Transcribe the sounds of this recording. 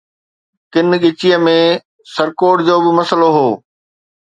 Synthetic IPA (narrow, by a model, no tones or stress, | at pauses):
kɪnɠɪt͡ɕiəmẽ | sɐɾkoːɖd͡ʑoːbɪmɐsəloɦoː